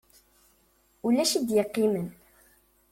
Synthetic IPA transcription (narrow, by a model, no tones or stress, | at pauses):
ulæʃid̪jəqːimən